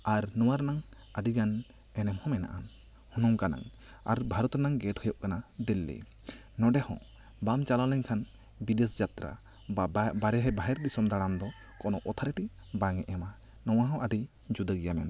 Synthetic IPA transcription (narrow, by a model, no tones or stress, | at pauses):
aɾnɔwaɾnaŋ | aɖiɡan | ɛnɛmhɔ̃mɛna̰ʔan | hunɔŋkana̰ŋ | a̰ɾbʱaɾɔt̪ɾnaŋɡɛʈhujɔʔkanad̪ilːḭ | nɔɖɛhɔ̰̃ | bamt͡ʃalalɛɲkʰan | bides̬d͡ʒat̪ɾa̰ | baɾɛɦɛbaɦɛɾd̪isɔmd̪aɽamd̪ɔ | kɔnɔʔɔt̪ʰaɾɛʈi | baŋɛʔɛma | nɔwaɦɔ̃ʔaɖi | d͡ʒud̪əɡijamɛn